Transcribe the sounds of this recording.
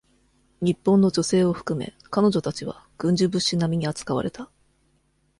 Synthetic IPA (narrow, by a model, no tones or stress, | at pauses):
ɲ̟ipːõ̞nːo̞d͡ʑo̞se̞ːo̞ɸɯ̟̥kɯ̟me̞̰ | kano̞ʑo̞t̪at͡ɕiβ̞a̰ɡ̥ɯ̟̃ɲ̟d͡ʑɨbɯ̟ɕinamʲiɲ̟iat͡sɨ̥kaβa̰ɾe̞t̪a